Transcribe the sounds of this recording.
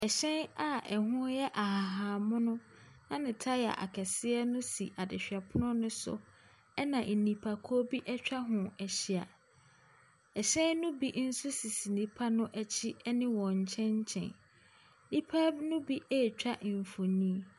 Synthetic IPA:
ɛ˨ɕɛ̃˦na˨ɛ˨ɦʊ̃˦jɛ˦ʔa˨ɦa˨ɦaː˨mʊ̃˦nʊ̃˦ | nã˦nɪ̃˨tʰa˦jɛ˨a̰˨ʔa̰˨kʰɛ˨sɪ˦ɛ˦nʊ̃˦sḭ˨ʔa˨dɪ˨ɕᶣa˨pʰʊ˦nʊ̃˦nʊ̃˦sʊ̰˨ | ɛ˦nã˨ʔ̩˨nĩ˨pʰa˨kʰɔ˦bi˦ʔɛ˦t͡ɕᶣa˦ɦʊ̃˨ɛ˨ɕi˨a˨ | ɛ˨ɕɛ̃˦nnʊ̃˦bi˦ʔn̩˦sʊ˦si˨si˨nĩ˦pʰa˦nʊ̃˦ʔɛ˦t͡ɕʰɪ˦ɛ˦nɪ̃˦wɔ̃˨ɲ̩˨t͡ɕʰɛ̃˦ɲ̩˦t͡ɕʰɛ̰̃˨n | nĩ˦pʰa˦bnʊ̃˦bi˦ʔe˦˨t͡ɕᶣa˦ʔɱ̩˨fo˨nĩ˦

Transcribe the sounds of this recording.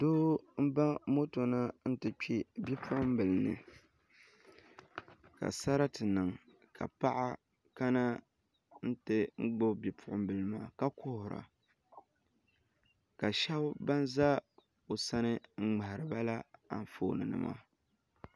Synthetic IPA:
doː˦m̩˦ba˦mo˦to˨na˦n̩˦tɨ˨k͡pi˦bi˦pʰʊ˦ʔʊ˦m̩˦bɨ˨lɨ˨nɨ̰˨ | ka̰˨sa˦ɾa˦tɨ˨nɨ˨ŋ | ka̰˨pa˦ʔa˦ | ka˦na˦ | n̩˦tɨ˦ŋ͡m̩˦ɡ͡bo˦bi˨pʰʊ˦ʔʊ˦m̩˦bɨ˨lɨ˨maː˦˨ka˦kʰʊ˦hʊ˨ɾa̰˨ | ka˨ʃa˦bba˦nza˦ | o˨sa˦nɨ˦ŋ͡m̩˦ŋ͡ma˨hɪ˨ɾɨ˨ba˦la˦a̰˨n˨fo̰ː˦˨nɨ˨nɨ̰˦mʔa̰ː˦˨

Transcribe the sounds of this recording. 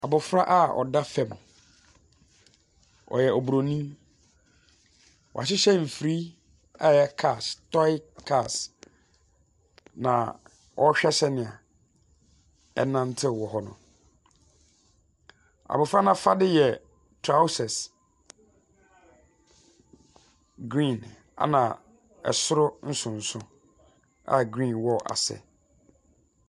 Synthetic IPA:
a˨bʊ˨fɾa˦ʔa˦ɔ̰˨da˦fɛ˨m˨ | ɔ̰˨jɛ˨ʔɔ˨bu˨ɾo˨nĩ˦ | wɔ̰˨a̰˨ɕ̬ɪ˦ɕɛ˦m̩˨fɾi˦ | a˦jɛ˦kʰa˦˨stɔ˦ɪ˦kʰa˦˨s | nã̰˨ | wʔɔ˦ɕᶣɛ˦ɕɛ˦nɪ̃˨a̰˨ | ɛ̰˨nã˦n˦tʰɪ˦˨wɔ˨ɦɔ˦nʊ̰̃˨ | a̰˨bʊ˨fɾa˦nã˦fa˦dɪ˦jɛ˨ | tʰɾa˦ʊ˦sɛ˨s | ɡɾĩ˦˨n | a̰˦˨nã˨ | ɛ̰˨sʊ˦ɾʊ˦n̩˦sʊ̃˨n̩˨sʊ̃˦ | a̰˦ɡɾĩ˦˨nwɔ˦ʔa̰˨sɛ̰˨

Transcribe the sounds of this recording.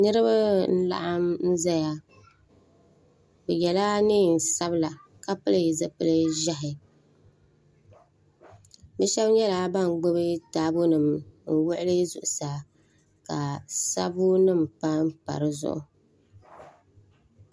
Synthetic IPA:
nɨ˦ɾɨ˦ba˦n̩˦la̰˦ʔa˦mn̩˦za˦ja˦ | bɛ˨jɛ˨laː˦niː˦˨n̩˨sa˦bla˨ka˦pɨ˦lɨ˦˨zɨ˦pɨ˦lɨ˦ʒɛ˦ɦɪ˨ | bɛ˦ʃɛ˦bɲɛ˦laː˨˦ba˦˨ŋ˨ɡ͡bo˦bɨ˦taː˦bʊ˦nɨ˨mn̩˦wʊ˦ʔɪ˦lɨ˦zʊ̰˨ʔʊ˨sa˨ | ka˨sa˦bʊ˦nɨ˦˨mpa˦m˦pa̰˨ɾɨ˦zʊ̰˦ʔʊ˦

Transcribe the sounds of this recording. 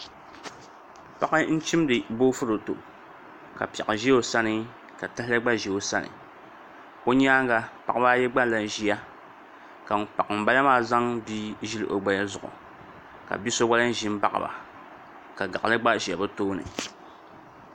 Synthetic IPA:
pa˦kɨ˦n̩˦t͡ʃi˦m˦dɨ˨bo˦fʊ˦ɾo˨to̰˨ | ka̰˨pɛ˨ʔɨ˨ʒi˦o˨sa˦nɨ˦ | ka˨ta˦hɪ˦lɨ˦ɡ͡ba˦ʒɛ˨o˨sa˦nɨ̰˨ | ko˦ɲ˦aː˦ŋ˦ɡa˦pa˨kbaː˦jɛ˦ɡ͡ba˦la˨n˨ʒi˦ja˦ | ka˨m˨pa˨kɨ˨m̩˨ba˦la˦maː˦˨za˦ŋbi˦ʒi˦lɨ˦ʔo˨ɡ͡ba˨ja˦zʊ˨ʔʊ̰˨ | ka̰˨bi˦so˦wa˦lɨ˦n˦ʒi˦m˦ba˦ʔa̰˨ba̰˨ | ka˨ɡa˨lɨ˦ɡ͡ba˦ʒi˨a˨bɨ˦toː˦nɨ̰˨

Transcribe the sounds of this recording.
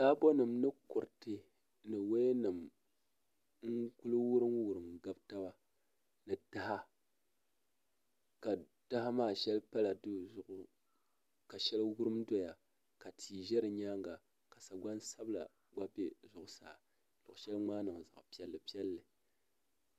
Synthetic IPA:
saː˦bo˦nɨ˨mnɨ˦kʊ˨ɾtɨ˨ | nɨ˨we˦nɨ˨m | ŋ̩˦ku˦lɨ˦wu˦ɾɨ˦mwu˨ɾɨ˨mɡa˦bta˦ba˦ | nɨ˨da˦ha˦ | ka˨ | d̥a˦ha˦maː˦˨ʃɛ˦lpa˦la˨dɨ˦˨zʊ˨ʔʊ˨ | ka˨ʃɛ˦lwu˦ɾɨ˦mdo˦ja˨ | ka˨tʰiː˨ʒɛ˦ɾɨ˨ɲaː˦ŋ˦ɡa˨ | ka˨sa˨ɡa˦n˦sa˦bla̰˨ | ɡ͡ba˦be˦zʊ˨ʔʊ˨saː˨ | lʊ˨ʔʃɛ˦lŋ͡maː˦nɨ˨ŋ˨za̰˨ʔpi˦ɛ˨lːɨ˨pi˦ɛ˦lːɨ˨

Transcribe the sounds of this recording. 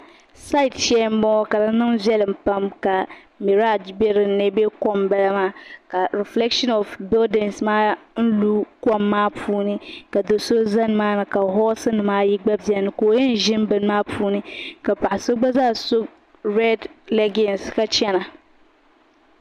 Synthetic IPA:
sa˦ɪ˨tt͡ʃɛ˦m˦mɔ˦ka˨la˦nɨ˦ŋzɛ˦lɨ˨m˨pa˦mka˨ | me˨ɾa˦˨d͡ʒbe˦ɾɨ˨˦nɛ˦be˦kɔ˦mbɛ˦la˦maː˦ka˨ɾɛ˨flɛ˦kʃɔ˦nɔ˨fbɪ˦ldɛ˨nsmaː˦n̩˦lu˦kɔ˦˨mːaː˦pʰuː˦nɨ˦ka˨do˨so˦za˦nɨ˨maː˦nɨ˨ka˨ɦɔ˦sɨ˦nɨ˨maː˦ji˦ɡ͡ba˦bi˨ɛ˨nɨ˨koː˨jɪ˦n˨ʒɪ˦mbɨ˨˦n˦maː˦pʰuː˦nɨ˦ka˨pa˨ʔɪ˨so˦ɡ͡ba˦zaː˦˨so˦ | ɾɛ˦dlɛ˦ɡɛ˨nska˦t͡ʃɛ˦na˨

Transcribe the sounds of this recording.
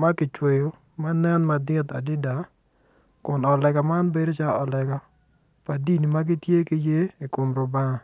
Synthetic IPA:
ma˦kɪ˨t͡ʃwe˨jo˨ | ma˦nɛ˦nma˨dɪ˦t̪a̰˨dɪ˦da˨ | kʊ˨nɔ˨lɛ˨ɡɔ˨ma˦nbe˦do˦t͡ʃa˦ɔ˨lɛ˨ɡɔ˦ | pa˨di˦ni˨ma˦ɡɪ˦tje˦ki˦je˦i˨ko˨mɾo˨ba˦ŋa˨

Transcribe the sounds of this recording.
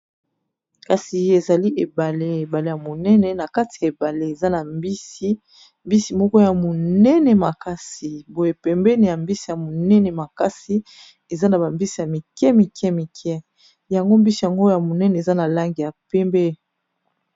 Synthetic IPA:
ka˨si˨e˨za˨li˦ʔe˨ba˨le˦e˨ba˨le˦ja˨mo˨nɛ˦nɛ˨na˨ka˦ti˨ja˨e˨ba˨le˦e˨za˦na˨mbi˦si˦ | mbi˦si˨mɔ˦kɔ˦ja˨mo˨nɛ˦nɛ˨ma˨ka˦si˨bo˦je˨pɛ˨mbɛ˦ni˨ja˨mbi˦si˨ja˨mo˨nɛ˦nɛ˨ma˨ka˦si˨ | e˨za˦na˨ba˨mbi˦si˨ja˨mi˨kɛ˦mi˨kɛ˦mi˨kʰɛ˦ | ja˨ŋɡo˦mbi˦si˨ja˨ŋɡo˦ja˨mo˨nɛ˦nɛ˨za˦na˨la˦ŋɡi˨ja˨pɛ˦mbɛ˦

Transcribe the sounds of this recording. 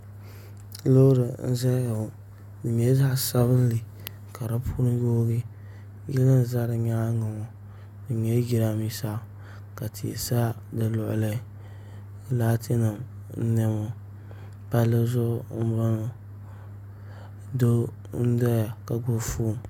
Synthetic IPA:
lo˦ɾɨ˨n̩˦za˦j | dɨ˨ɲɛ˦za˦ʔsa˦βɨ˦n˦li˨ | ka˨ɾa˦pʰu˦nɨ˦jo˦ɡi˦ | jɪ˦a˦n˨za˦ɾɨ˨ɲa˦ŋa˨mo˨ | dɨ˨ɲɛ˦ɡi˦ɾa˦mi˦sa˦˨ | ka˨tʰi˨ḛ˨sa˦ | dɨ˨lʊ˨ʔʊ̰˨la˦ | la˦tʰe˦nɨ˨m | n̩˦nɛ˦mo˦ | pa˦llɨ˦zʊ˦ʔ̩˦ba˦no˨ | do˦ | n̩˦da˦ja˨ka˨ɡo˦fu˦˨

